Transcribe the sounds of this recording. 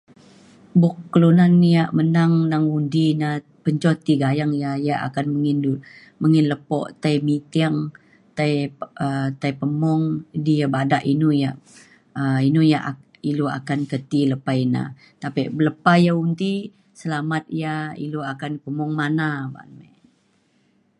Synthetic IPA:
bɔkːəlunanːijaʔmənaŋnaŋundina | pəɲt͡ʃɔt̪iɡajaŋjajaʔa̰kanməŋinu | məŋɪnləpɔ̰ʔt̪aimit̪iaŋ | t̪aiət̪ajpəmɔŋdijabadaʔinujaʔ | əinujaʔ | iloa̰kankət̪iləpajna̰ | t̪apiʔbələpajaund̪i | səlamat̪̚ijaḭloakanpəmɔŋmanaba̰nma

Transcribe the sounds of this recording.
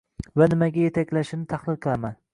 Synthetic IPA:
vanɪmaɡʲaje̞t̪ʰakʲlaʃɪnɪt̪ʰahlˠɪlˠqʰɨlˠaman

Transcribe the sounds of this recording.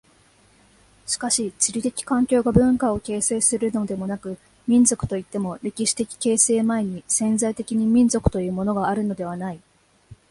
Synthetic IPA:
ɕi̥kaɕit͡ɕiɾʲit̪e̞kʲi̥kãŋkʲo̞ːɡabɯ̟̃ŋkao̞ke̞ːse̞ːsɨɾɯ̟no̞d̪e̞mo̞nakɯ̟ | mʲĩnd͡zo̞kɯ̟̥t̪o̞it̪ːe̞mo̞ɾe̞kʲiɕi̥t̪e̞kʲi̥ke̞ːse̞ːmaeɲ̟isẽ̞nzait̪e̞kʲiɲ̟imʲĩnzo̞kɯ̟̥t̪o̞jɯ̟ːmo̞no̞ɡaːɾɯ̟no̞d̪e̞β̞anai

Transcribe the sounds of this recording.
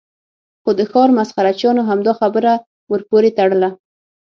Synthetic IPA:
xod̪əxɑɾmasxaɾat͡ʃjɑnoɦamd̪ɑxabəɾa | wəɾpoɾet̪aɽəla

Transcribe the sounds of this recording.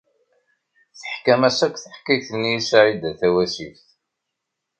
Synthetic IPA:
θəħkæmæsækʷːθəħkiθənːijisʕid̪æθæwæsifθ

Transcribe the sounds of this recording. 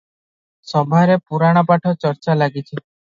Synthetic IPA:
sɔbʱaɾepuɾaɽ̃ɔpaʈʰɔt͡ʃɔɾt͡ʃalaɡit͡ʃʰi

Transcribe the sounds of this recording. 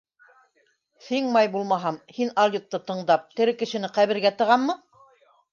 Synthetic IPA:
θiŋmɑjbulˠmɑɦɑmhinɑlʲit̪ːɤt̪ɤ̆ɴd̪ɑp̚t̪ɘ̆ɾɘkɘ̆ʃɘ̆nɘqæβɘ̆ɾɡæt̪ɤ̆ʁɑmːɤ

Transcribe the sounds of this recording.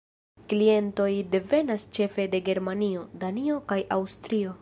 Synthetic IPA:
klie̞nto̞jde̞ve̞nast͡ʃe̞fe̞de̞ɡe̞ɾmanio̞danio̞kajawstɾio̞

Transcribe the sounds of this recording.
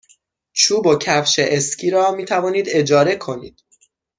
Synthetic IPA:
t͡ʃʰuːbocʰæfʃeʔescʰiːɾɒːmiːt̪ʰævɒːniːd̪e̞d͡ʒɒːɾe̞kʰo̞nḭːd̪̥̚

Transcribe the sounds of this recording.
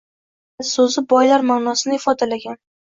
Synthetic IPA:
sozɪbɒjlaɾmanɒsɪnɪɪfɒd̪alaɡʲan

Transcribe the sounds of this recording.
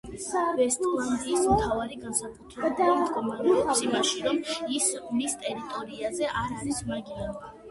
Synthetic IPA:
avɛst̪ʼlˠand̪iːsmt̪ʰavaɾiɡansakʰʼut̪ʰɾɛbad̪ad̪kʼɔmaɾsimaʃiɾɔmismist̪ʼɛɾit̪ʼɔɾiazɛʔaɾlismaɡiana

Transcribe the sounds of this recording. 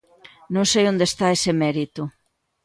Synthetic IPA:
nõŋsejõnd̪est̪aesemɛɾit̪ʊ

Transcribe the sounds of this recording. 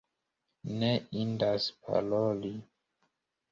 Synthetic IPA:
neindaspʰa̰loli

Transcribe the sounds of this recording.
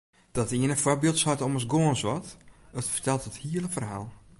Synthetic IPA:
d̥ɔtiənəfwɔrbiəlˠtsɔtɔməsɡoːənswɔtətfərtɛlˠtəthiəlˠəfərha̰ːlˠ

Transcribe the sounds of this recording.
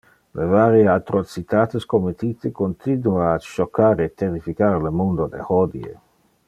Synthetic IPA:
lʔevaːɾjeat̪ɾot͡sit̪aːt̪eskomet̪it̪ekont̪ʰinuaːʃokːaːɾeːt̪ːeɾifikaɾelemond̪od̪ḛhɔd̪ḭḛ

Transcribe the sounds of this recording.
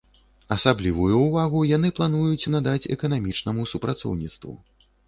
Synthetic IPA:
ɐsablʲivujuːvaɣujan̪ɨplˠanujut͡sʲnad̪at͡sʲɛ̰kɐnamʲit͡ʂnɐmusupɾat̪sɔ̰wnʲit̪st̪vṵ

